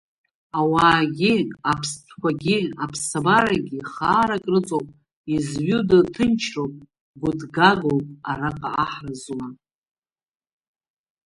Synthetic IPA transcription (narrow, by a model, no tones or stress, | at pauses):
awaːɡʲiapʰstʰkʷaɡʲiapʰsabaɾaɡʲiχaːɾakʼrɨt͡sʼowpʼ | izɥudatʰɨnt͡ʃʰrowpʼ | ɡʷʊdɡaɡowpʼaɾaqʼaaħrazla